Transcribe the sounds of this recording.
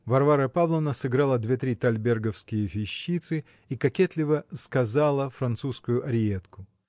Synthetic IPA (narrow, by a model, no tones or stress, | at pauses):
vɐrvaɾəpavlˠənəsɨɡɾalˠəd̪vʲe̞t̪ɾʲit̪ɐlʲbʲerɡəfskʲɪjəfʲɪɕːit̪sɨ | ikɐkʲet̪lʲɪvəskɐzalˠəfɾɐnt̪suskʊjʊʔɐɾʲɪet̪kʊ